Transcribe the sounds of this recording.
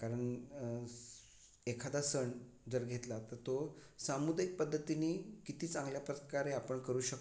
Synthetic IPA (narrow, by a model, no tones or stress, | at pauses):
kaɾəɳ | ekʰad̪asəɳ | d͡zəɾɡʱet̪lat̪ət̪osamud̪ajik̚pəd̪ʱːət̪iniːkit̪iːt͡sãŋɡljapɾət̪kaɾeapəɳkəɾuːɕək